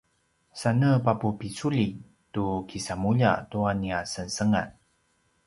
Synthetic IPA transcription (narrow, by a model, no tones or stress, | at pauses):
sanəpapupit͡suli | tukisamuʎa̰tuaniasənsəŋa̰n